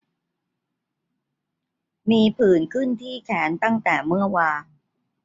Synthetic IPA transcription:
miː˧pʰɯː˨˩nkʰɯ˥˩nt̪ʰiː˥˩kʰɛː˩˦nt̪a˥˩ŋt̪ɛː˨˩mɯ˥˩ɐwaː˧

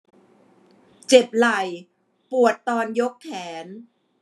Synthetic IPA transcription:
t͡ɕe˨˩p̚la˨˩j | pu˨˩ət̪ːɔː˧njo˦˥kʰːɛː˩˦n

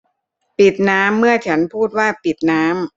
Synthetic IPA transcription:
pi˨˩t̪̚naː˦˥mːɯ˥˩ɐt͡ɕʰa˦˥npʰuː˥˩t̪̚waː˥˩pi˨˩t̪̚naː˦˥m

